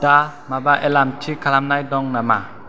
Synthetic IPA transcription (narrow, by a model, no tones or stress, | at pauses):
da | mabaʔɛlamtʰikʰalamnajdɔŋnama